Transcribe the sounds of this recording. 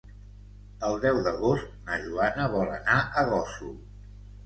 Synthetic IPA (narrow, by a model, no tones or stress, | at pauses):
əlˠd̪ɛwðəɣost̪̚nəʒuanəβɔlˠə̰naʔəɣɔsṵ